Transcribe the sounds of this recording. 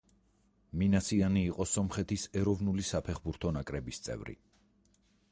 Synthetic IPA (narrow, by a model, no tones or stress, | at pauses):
minasʰianiːqʼɔsɔmχɛt̪ʰisɛɾɔvnulisapʰɛχbuɾt̪ʰɔnakʼɾɛbist̪sʼɛ̰vɾḭ